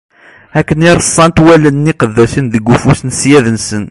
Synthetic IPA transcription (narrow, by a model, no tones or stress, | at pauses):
ækːəniɾˤəsˤːɑnt̪wælənːiqəðːæsinðəɡːufusnsjæðənsən